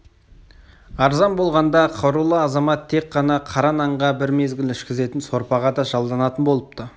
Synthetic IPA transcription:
ɑɾzɑnbo̞lˠʁɑnd̪ɑqʰɑɾulˠɑːzɑmɑt̪ʰːe̞k̚qːɑnɑqʰɑɾɑnɑɴʁɑbɪɾme̞zɡʲɪlɪʃkʲɪze̞t̪ɪnso̞ɾpɑʁɑd̪ɑʒɑlˠd̪ɑnɑt̪ənbo̞lˠəp̚t̪ə

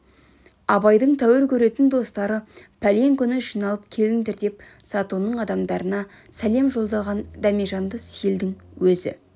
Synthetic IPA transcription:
ɑbɑjd̪əɴt̪ʰæwɪɾkʲʰɵɾe̞t̪ɪnd̪o̞st̪ɑɾəpʰæleŋkʲʰʏnɪʃinɑlˠəp̚kʲʰe̞lɪnd̪ɪɾd̪e̞p̚ | sɑt̪unːəɴɑd̪ɑmd̪ɑɾənɑ | sæle̞mʒo̞lˠd̪ɑlˠʁɑnd̪ɑmiʒɑnd̪əsijeld̪ɪŋwɵzɪ̰

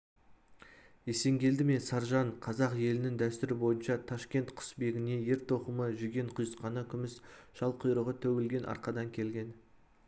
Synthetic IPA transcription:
e̞se̞ŋɡʲʰe̞ld̪ɪme̞sɑɾʒɑɴqʰɑzɑqje̞lɪnɪŋd̪æst̪ʏɾɪbo̞jənʃɑt̪ʰɑʃkʲe̞nt̪qʰʊ̥sbe̞ɡʲɪne̞je̞ɾt̪ʰo̞qəməʒʏɡʲe̞ɴqʰʊjəsqɑnəkʲʰʏmɪsʒ̥ɑlˠqʰəjɾəʁət̪ʰæwe̞lɡʲe̞nʔɑ̰ɾqɑd̪ɑŋkʲʰe̞lɡʲe̞n

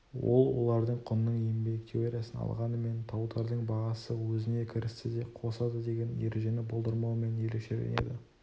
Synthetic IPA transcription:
wo̞lˠwo̞̰lˠɑɾd̪əɴqʰʊnːəɴembe̞k̚t̪ʲʰeoɾʲijasənɑ̰lˠʁɑnəme̞nt̪ʰɑwd̪ɑɾd̪əɴbɑʁɑsəwɵzɪne̞kʲʰɪɾɪst̪ɪd̪e̞qʰo̞sɑd̪əd̪e̞ɡʲe̞njeɾeʒe̞nɪbolˠd̪əɾmɑwəme̞ne̞leʃeɾʲḛnḛd̪ɪ

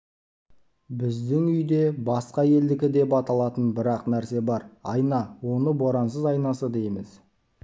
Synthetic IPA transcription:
bɪzd̪ɪŋʏjd̪e̞bɑsqɑje̞ld̪ɪkʲɪd̪e̞pɑt̪ɑlˠɑt̪ənbɪɾɑqnæɾse̞bɑɾɑ̰jnɑwo̞nəboɾɑnsəzɑjnɑsəd̪e̞jmɪz̥

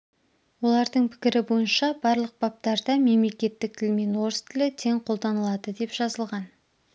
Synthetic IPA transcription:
wo̞lˠɑɾd̪əɴpʰɪ̥kʲɪɾɪbo̞jənʃɑbɑɾlˠəq̚b̥ɑp̚t̪ɑɾd̪ɑme̞mle̞kʲe̞t̪ːɪk̚t̪ʰɪlme̞nwo̞ɾəst̪ʰɪlɪt̪ʰe̞ŋqʰo̞lˠd̪ɑnəlˠɑd̪əd̪e̞pʒ̥ɑzəlˠʁɑn

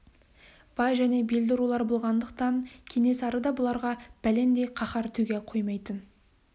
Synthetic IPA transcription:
b̥ɑjʒæne̞beld̪ɪɾulˠɑɾbolˠʁɑnd̪əqt̪ɑɴkʲʰe̞ne̞sɑɾəd̪ɑbʊlˠɑɾʁɑb̥æle̞nd̪e̞qʰɑχɑɾt̪ʰɵɡʲeqʰojmɑjt̪ən

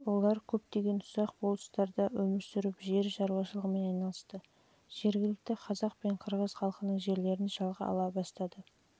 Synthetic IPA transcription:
wo̞lˠɑɾkʲʰɵp̚t̪e̞ɡʲe̞nʊsɑq̚bolˠəst̪ɑɾd̪ɑwɵmɪɾsʏɾɪpʒe̞ɾʒɑɾuwɑʃəlˠəʁəme̞nɑjnɑlˠəst̪ə | ʒ̥e̞ɾɡʲɪlɪk̚t̪ɪqʰɑzɑq̚pe̞ɴqʰəɾʁəz̥χɑlˠqənəɴʒe̞ɾle̞ɾɪnʒɑlˠʁəɑ̰lˠɑbɑst̪ɑd̪ə

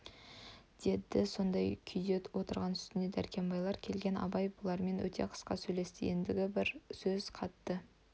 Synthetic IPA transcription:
d̪̥e̞d̪ɪso̞nd̪ɑjkʲʰʏjd̪e̞t̪wo̞t̪əɾʁɑnʏst̪ɪnd̪e̞d̪æ̰ɾkʲe̞mbɑjlˠɑɾkʲʰe̞lɡʲe̞nɑ̰bɑjbolˠɑɾme̞nwɵ̰t̪ʰe̞̰qʰə̥sqɑ̰sɵjle̞st̪ḛjɪnd̪ɪɡʲɪbɪɾsɵzqʰɑt̪ːə

